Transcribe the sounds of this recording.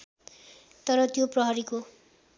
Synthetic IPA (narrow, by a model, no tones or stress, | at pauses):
t̪ʌɾʌt̪joprʌɦʌɾiko